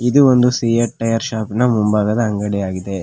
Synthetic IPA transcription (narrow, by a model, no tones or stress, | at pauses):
id̪uond̪usiːɐʈ̚ʈːɐjɐɾʃaːpinɐmumbaːɡɐd̪ɐɐŋɡɐɽijaːɡid̪e̞